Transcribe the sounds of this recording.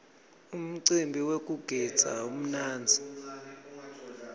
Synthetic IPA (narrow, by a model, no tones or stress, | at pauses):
um̩ǀimbʱiwekʼuɡ̥ʱɛ̥d͡zʱa̰um̩naːnd͡zʱi